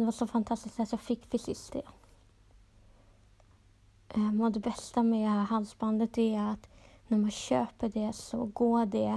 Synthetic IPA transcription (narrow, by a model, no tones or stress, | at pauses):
d̪ɛvaʂɔfant̪ʰast̪ɪsk̪at̪jɑɡfɪkːfɪsɪst̪ɛ̰ | ʔmɛd̪ɛbɛst̪amɛhæːɾɦalsband̪ət̪ɛat̪næɾmanɕøːpəɖɛsɔ̰ɡoːɖɛ